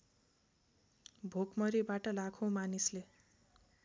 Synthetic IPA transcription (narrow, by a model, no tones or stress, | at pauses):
bʱokmʌɾibaʈʌlakʰõmanisle